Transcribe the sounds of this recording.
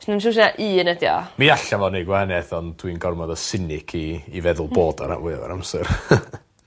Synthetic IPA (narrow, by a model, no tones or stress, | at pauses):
snənʃ̬ʊsiaʔiːənɛdja̰miaɬavɔnejɡwaanɛθɔnd̥winɡɔrmɔðɔsɪnɪkʰiːvɛðʊlˠboːdɔ̰ɾa̰ʔwɪ̰vɔ̰ɾamsɛr